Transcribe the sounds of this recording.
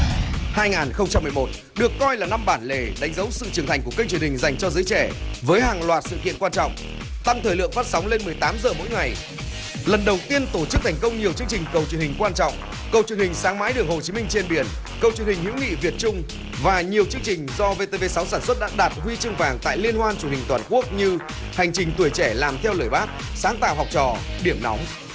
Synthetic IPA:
haː˧jŋaː˨˩nxə˧wŋ͡mt͡ɕa˧mːɨ˨˩ə˩mo˨˩t̚ | ɗɨ˨˩əkːɔ˧jlaː˨˩na˧mɓaː˧˩nle˨˩ɗa˨˦ŋ̟zə˨˦wsɨ̰˧˨t͡ɕɨ˨˩ŋt̪ʰa˨˩jŋkəkk̚t͡ɕwənhï˨˩ŋ̟za˨˩jŋ̟t͡ɕɔ˧zɨː˨˦jt͡ɕɛ˧˩vəː˨˦jhaː˨˩ŋlwaː˨˩t̚sɨ̰˧˨kḭ˧˨ənkwaː˧nt͡ɕɔ̰˧˨wŋ͡m | t̪a˧mt̪ʰəː˨˩jlɨ̰˧˨əŋfaː˦˥t̚sɔ˨˦wŋ͡mle˧nmɨ˨˩əjt̪aː˨˦mzəː˨˩mo̰˧˥jŋa˨˩j | lə˨˩nɗə˨˩wt̪i˧ənt̪o˧˩t͡ɕɨ˦˥k̚t̪ʰa˨˩ŋ̟kə˧wŋ͡mɲi˨˩əwt͡ɕɨ˧əŋt͡ɕï˨˩ŋ̟kə˨˩wt͡ɕɨ˨˩ŋhï˨˩ŋ̟kwaː˧nt͡ɕɔ̰˧˨wŋ͡m | kə˨˩wt͡ɕɨ˨˧əŋhï˨˩ŋ̟saː˨˦ŋma̰ː˧˥jɗɨ˨˩əŋho˨˩t͡ɕi˨˦mï˧ŋ̟t͡ɕe˧nɓi˧˩ən | kə˨˩wt͡ɕɨ˨˩ŋhï˨˩ŋ̟hḭ˧˥wŋḭ˧˨vi˨˩ət̚t͡ɕʊ˧ŋ͡m | vaː˨˩ɲi˨˩əwt͡ɕɨ˧əŋt͡ɕï˨˩ŋ̟zɔ˧ve˧t̪e˧ve˧sa˨˦wsaː˧˩nswə˦˥t̚ɗa̰ː˧˥ɗaː˨˩t̚hwi˧t͡ɕɨ˧ŋvaː˨˩ŋt̪a̰ː˧˨jli˧ənhwaː˧nt͡ɕu˧˩hï˨˩ŋ̟t̪waː˨˩nku˦˥ək̚ɲɨ˧ | ha˨˩jŋ̟t͡ɕï˨˩ŋ̟t̪wi˧˩əjt͡ɕɛ˧˩laː˨˩mt̪ʰɛ˧wləː˧˩jɓaː˦˥p̚ | saː˨˦ŋt̪aː˧˨wɦɔ˨˩wk͡p̚t͡ɕɔ˨˧˩ɗi˧˩əmnɔ̰˨˦wŋ͡m

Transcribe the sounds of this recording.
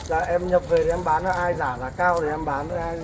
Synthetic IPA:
zaː˨˩ʔɛ˧mɲə˨˩p̚ve˨˩ɾe˨˩ɛ˧mɓaː˨˦nːɔ˨˦ʔaː˧jzaː˧˩laː˨˩kaː˧wɗe˨˩ʔɛ˧mɓaː˨˦nnɔ˨˦ʔaː˧j

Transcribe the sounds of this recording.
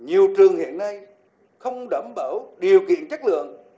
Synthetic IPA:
ɲi˨˩əwt͡ɕɨ˨˩əŋhḭ˧˨ənːa˧j | xə˧wŋ͡mɗə˧˩mɓəː˧˩wɗi˨˩əwkḭ˧˨ənt͡ɕaə˦˥k̚lɨ̰˧˨əŋ

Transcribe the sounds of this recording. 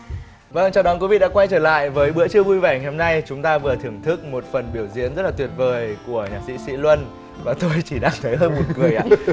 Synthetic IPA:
və˧ŋt͡ɕɔ˧wɗɔ˨˦kwi˨˦vḭ˧˨ɗa̰ː˧˥kwa˧jt͡ɕəː˧˩la̰ː˧˨jvəː˨˦jɓɨ̰˧˥ət͡ɕɨ˧əvu˧jvɛ˧˩ŋa˨˩jho˧mna˧jt͡ɕʊ˨˦ŋ͡mt̪aː˧vɨ˨˩ət̪ʰɨ˨˧˩əŋt̪ʰɨ˦˥k̚mo˨˩t̚fə˨˩nɓi˧˩əwzḭ˧˥ənzə˦˥t̚laː˨˩t̪i˨˩ət̚vəː˨˩jku˧˩əɲaː˨˩k̚sḭ˧˥sḭ˧˥lwə˧n | vaː˨˩t̪o˧jt͡ɕi˧˩ɗaː˧ŋt̪ʰə˨˦jɦəː˧nmo˨˩tŋɨ˨˩əjʔa̰ː˧˨˧

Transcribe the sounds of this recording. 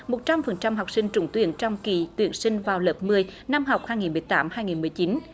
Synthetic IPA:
mo˨˩t̚t͡ɕa˧mfə˨˩nt͡ɕa˧mɦa˨˩wk͡p̚sï˧ŋ̟t͡ɕʊ̰˧˦ŋ͡mt̪wḭ˧˥˩ənt͡ɕɔ˧wŋ͡mkḭ˧˩t̪wḭ˧˩ənsï˧ŋ̟vaː˨˩wləː˨˩p̚mɨ˧əjna˧mɦa˨˩wk͡p̚haː˧jŋi˨˩nmɨ˨˩əjt̪aː˨˦mhaː˧jŋi˨˩nmɨ˨˩əjt͡ɕi˨˦n

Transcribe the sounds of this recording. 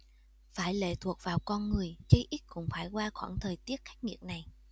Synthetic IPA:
faː˧˩jlḛ˧˥t̪ʰu˨˩ək̚vaː˨˩wkɔ˧nŋɨ˨˩əjt͡ɕə˧jʔi˦˥t̚kʊ̰˧˥ŋ͡mfaː˧˩jkwaː˧xwa̰ː˧˩nt̪ʰəː˨˩jt̪i˦˥ət̚xa˦˥k̟̚ŋḭ˨˩ət̚na˨˩j

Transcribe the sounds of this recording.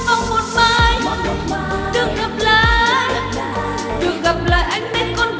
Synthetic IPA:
ʔə˧wŋ͡mmo˨˩t̚maː˧˨j | ɗɨ˨˩ək̚ɣə˨˩p̚laː˧˨j | ɗɨ˨˩ək̚ɣə˨˩p̚la̰ː˧˨jʔa˧jŋ̟mɛ˧˦˥tkɔ˧n

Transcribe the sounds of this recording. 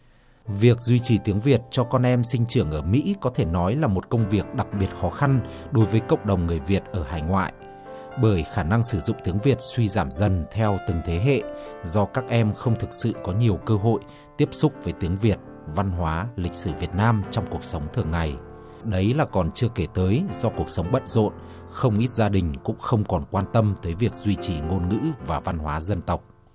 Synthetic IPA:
vi˨˩ək̚zwi˧t͡ɕi˨˩t̪i˨˦əŋvi˨˩ət̚t͡ɕɔ˧kɔ˧nʔɛ˧msï˧ŋ̟t͡ɕɨ˧˩əŋʔəː˧˩mḭ˧˥kɔ˨˦t̪ʰe˧˩nɔ˨˦jlaː˨˩mo˨˩t̚kə˧wŋ͡mvi˨˩ək̚ɗa˨˩k̚ɓi˨˩ət̚xɔ˨˦xa˧n | ɗo˨˦jvəː˨˦jkə̰˧˨wŋ͡mɗə˨˩wŋ͡mŋɨ˨˩əjvi˨˩ət̚ʔəː˧˩ɦaː˨˩jŋwa̰ː˧˨j | ɓəː˧˩jxaː˧˩na˧ŋsɨ˧˩zʊ̰˧˨ŋ͡mt̪i˨˦əŋvi˨˩ət̚swi˧zaː˧˩mzə˨˩nt̪ʰɛ˧wt̪ɨ˨˩ŋt̪ʰe˨˦ɦḛ˧˨zɔ˧kaː˦˥k̚ʔɛ˧mxə˧wŋ͡mt̪ʰɨ˨˩k̚sɨ̰˧˨kɔ˨˦ɲi˨˩əwkəː˧ɦo̰˧˨j | t̪i˦˥əp̚sʊ˦˥k͡p̚vəː˨˦jt̪i˨˦əŋvi˨˩ət̚ | va˧nɦwaː˨˦lï˨˩k̟̚sɨ˧˩vi˨˩ət̚naː˧mt͡ɕɔ˧wŋ͡mku˨˩ək̚sə˨˦wŋ͡mt̪ʰɨ˨˩əŋːa˨˩j | ɗə˨˦jlaː˨˩kɔ˨˩nt͡ɕɨ˧əke˧˩t̪əː˨˦jzɔ˧ku˨˩ək̚sə˨˦wŋ͡mɓə̰˧˨t̚zo̰˧˨n | xə˧wŋ͡mʔi˦˥t̚zaː˧ɗï˨˩ŋ̟kʊ̰˧˥ŋ͡mxə˧wŋ͡mkɔ˨˩nkwaː˧nt̪ə˧mt̪əː˨˦jvi˨˩ək̚zwi˧t͡ɕi˨˩ŋo˧nŋɨ̰˧˥vaː˨˩va˧nɦwaː˨˦zə˧nt̪ə˨˩wk͡p̚

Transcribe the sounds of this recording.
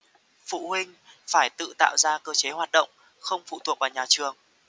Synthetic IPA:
fṵ˧˨hï˧ŋ̟ | faː˧˩jt̪ɨ̰˧˨t̪a̰ː˧˨wzaː˧kəː˧t͡ɕe˨˦ɦwaː˨˩t̚ɗə̰˧˨wŋ͡m | xə˧wŋ͡mfṵ˧˨t̪ʰu˨˩ək̚vaː˨˩wɲaː˨˩t͡ɕɨ˨˩əŋ

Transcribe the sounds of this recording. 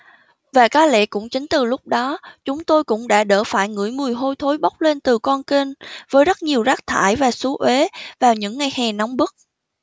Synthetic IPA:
vaː˨˩kaː˨˦˥lḛ˧˥kʊ̰˧˥ŋ͡mt͡ɕï˨˦ŋ̟t̪ɨ˨˩lʊ˦˥k͡p̚ɗɔ˨˦t͡ɕʊ˨˦ŋ͡mt̪o˧jkʊ̰˧˥ŋ͡mɗa̰ː˧˥ɗə̰ː˧˩faː˧˩jŋɨ̰˧˥əjmɨ˨˩əjɦo˧jt̪ʰo˨˦jɓa˦˥k͡p̚le˧nt̪ɨ˨˩kɔ˧nki˧ŋvəː˨˦jzə˦˥t̚ɲi˨˩əwzaː˦˥k̚t̪ʰa̰ː˧˩jvaː˨˩su˨˦ʔwe˨˦vaː˨˩wɲɨ̰˧˥ŋːa˨˧˩jhɛː˨˩nɔ˨˦wŋ͡mɓɨ˦˥k̚

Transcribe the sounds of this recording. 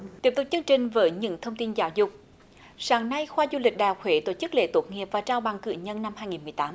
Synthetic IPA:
t̪i˦˥əp̚t̪ʊ˨˩k͡p̚t͡ɕɨ˧əŋt͡ɕï˨˩ŋ̟vəː˨˦jɲɨ̰˧˥ŋt̪ʰə˧wŋ͡mt̪i˧nzaː˨˦wzʊ˨˩k͡p̚ | saː˨˦ŋna˧jxwaː˧zu˧lï˨˩k̟̚ɗaː˨˩wxwe˨˦t̪o˧˩t͡ɕɨ˦˥k̚lḛ˧˥t̪o˦˥t̚ŋi˨˩əp̚vaː˨˩t͡ɕaː˧wɓa˨˩ŋkɨ̰˧˨ɲə˧nːa˧mhaː˧jŋi˨˩nm˨˩jt̪aː˨˦

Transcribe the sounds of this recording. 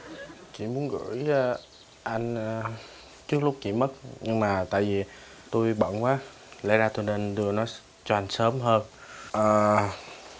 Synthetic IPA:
t͡ɕḭ˧˩mu˨˦ənɣɨ̰˧˥əj | ʔa˧jŋ̟ə˨˩ | t͡ɕɨ˦˥ək̚lʊ˦˥k͡p̚t͡ɕḭ˧˩mə˦˥t̚ɲɨ˧ŋmaː˨˩t̪a̰ː˧˨jvi˨˩ | t̪o˧jɓə̰˧˨nkwaː˨˦ | lɛ̰˧˥zaː˧t̪o˧jne˧nɗ̪ɨ˧˩ənɔ˨˦j | t͡ɕɔ˧ʔa˧jŋ̟səː˨˦mɦəː˧nʔəː˨˩

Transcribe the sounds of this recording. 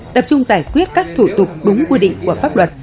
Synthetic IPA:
t̪ə˨˩p̚t͡ɕʊ˧ŋ͡mzaː˧˩jkwi˦˥ət̚kaː˦˥k̚t̪ʰu˧˩t̪ʊ˨˩k͡p̚ɗʊ˨˦ŋ͡mkwi˧ɗḭ˧˨ŋku˧˩əfaː˦˥p̚lwə˨˩t̚

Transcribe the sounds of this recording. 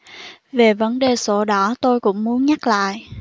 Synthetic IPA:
ve˨˩və˨˦nɗe˨˩so˧˩ɗɔ˨˩˦t̪o˧jkʊ̰˧˥ŋ͡mmu˨˦ənɲa˦˥k̚la̰ː˧˨jʔ

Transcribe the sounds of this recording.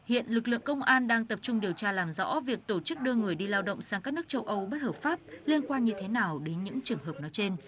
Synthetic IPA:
hḭ˧˨ənlɨ˨˩k̚lɨ̰˧˨əŋkə˧wŋ͡mʔaː˧nɗaː˧ŋt̪ə˨˩p̚t͡ɕʊ˧ŋ͡mɗi˨˩əwt͡ɕaː˧laː˨˩mzɔ̰˧˥vi˨˩ək̚t̪o˧˩t͡ɕɨ˦˥k̚ɗɨ˧ŋɨ˨˩əjɗi˧laː˧wɗə̰˧˨wŋ͡msaː˧ŋkaː˦˥k̚nɨ˦˥k̚t͡ɕə˧wʔə˧wɓə˦˥t̚həː˨˩p̚faː˦˥p̚li˧ənkwaː˧nɲɨ˧t̪ʰe˨˦naː˨˩wɗe˨˦nɲɨ̰˧˥ŋt͡ɕɨ˨˩əŋɦəː˨˩p̚nɔ˨˦jt͡ɕe˧n

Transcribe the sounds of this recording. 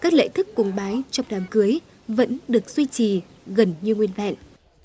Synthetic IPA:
kaː˦˥k̚lḛ˧˨jt̪ʰɨ˦˥kːʊ̰˧˩ŋ͡mɓaː˨˦jt͡ɕɔ˧wŋ͡mɗaː˨˩mkɨ˨˦əj | və̰˧˥nɗɨ˨˩ək̚zwi˧t͡ɕi˨˩ | ɣə˨˩nɲɨ˧ŋwi˧ənva̰˧˨n

